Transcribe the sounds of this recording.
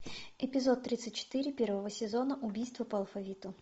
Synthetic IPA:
ɪpʲɪzot̪ːɾʲit̪sɨt̚ʲt͡ɕːɪ̥t̪ɨɾʲɪpʲervəvəsʲɪzonəʔʊbʲijst̪vəpəɐlˠfɐvʲit̪ʊ

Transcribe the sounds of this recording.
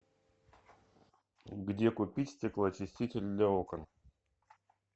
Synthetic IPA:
ɡdʲekʊpʲitʲsʲtʲɪklˠat͡ɕɪsʲtʲitʲɪlʲd̪lʲaokən

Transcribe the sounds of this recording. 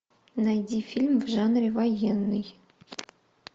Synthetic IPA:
nɑjdʲifʲilʲmvʐɑnrʲivɑjenːɨj

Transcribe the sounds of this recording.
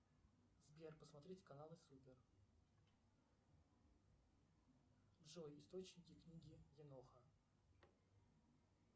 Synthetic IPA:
zbʲerpəsmɐt̪ɾʲitʲɪ̥kɐnalˠɨsupʲɪr | dʐojɪst̪ot͡ɕnʲɪkʲɪknʲiɡʲɪjɪnoxə

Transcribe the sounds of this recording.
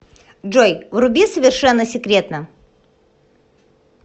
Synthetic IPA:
ʐojvrʊbʲesəvʲɪrʂɛnːəsʲɪkɾʲe̞t̪nə

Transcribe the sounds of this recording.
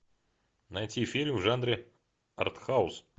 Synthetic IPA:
najtʲifʲilʲmvʐand̪ɾɪ | ɐ̰rt̪xaʊs

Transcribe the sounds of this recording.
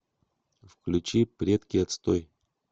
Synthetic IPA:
fklʲʉt͡ɕipɾʲet̪kʲɪjɐt̪st̪oj

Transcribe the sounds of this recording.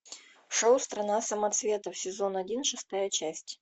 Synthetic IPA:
ʂowst̪ɾɐnasəmɐt̪svʲe̞t̪əfsʲɪzo̞nɐdʲinʂɨst̪ajət͡ɕæsʲtʲ

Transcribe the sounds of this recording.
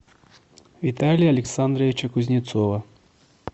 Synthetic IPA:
ʋʲit̪ɑlʲijɐlʲeksɑnd̪ɾɐʋʲit͡ʃɐkʊzʲnʲit̪sɔʋɐ

